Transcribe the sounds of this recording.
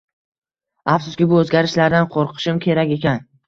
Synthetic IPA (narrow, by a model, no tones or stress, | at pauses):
afsʊskʲɪbʊɵzɡʲaɾɪʃlaɾd̪anqʰoɾqʰɨ̥ʃɪmkʲʰe̞ɾakʲe̞kʲan